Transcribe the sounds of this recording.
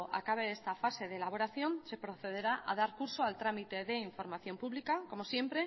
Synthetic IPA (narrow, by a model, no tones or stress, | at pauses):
ʔa̰kaβeest̪afase̞ðelaβ̞o̞ɾaθjo̞nse̞pɾo̞θe̞ð̞e̞ɾaʔa̰ðaɾkuɾso̞alt̪ɾamit̪e̞ðe̞iɱfo̞ɾmaθjo̞mpuβlikako̞mo̞sje̞mpɾe̞